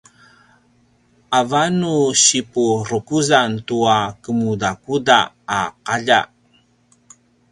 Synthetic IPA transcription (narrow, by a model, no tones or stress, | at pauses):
ʔavanuɕipuɾukuzantuakəmudakudaː | qaʎa̰